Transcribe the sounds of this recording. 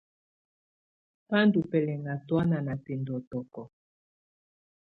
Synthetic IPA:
pa˦ndu˨pɛ˨lɛ˨ŋa˨twa˦na˨na˨tɛ˨ndɔ˨tɔ˨kɔ˨

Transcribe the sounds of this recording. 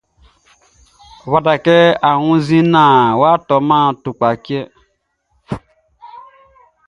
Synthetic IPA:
βa˨da˨kɛ˦a˨wũ˦zĩ˦nã˨wa˦tɔ˨mã˦tu˨k͡pa˨ki˦ɛ˦

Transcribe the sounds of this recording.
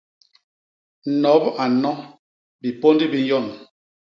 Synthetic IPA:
n̩˨nɔ˨˦ba˨nɔ˦ | bi˨po˦ndi˦bi˦n˦jɔ˦˨n

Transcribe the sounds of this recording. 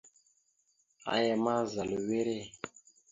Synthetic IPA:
a̰˨jɛ˨ma˦za˨lu˨we˦ɾe˦

